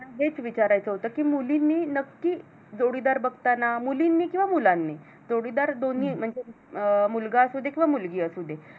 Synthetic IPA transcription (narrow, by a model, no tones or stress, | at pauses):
naɦet͡sʋit͡ɕaɾajt͡səɦot̪əkiːmulinːinəkːiː | d͡zoɽid̪aɾbəɡt̪anamulinːiːkĩw̃ʋamulanːi | d͡zoɽid̪aɾd̪oniːm̤əɳd͡ze | mulɡaəsud̪ʱekĩw̃ʋamulɡiːəsud̪ʱe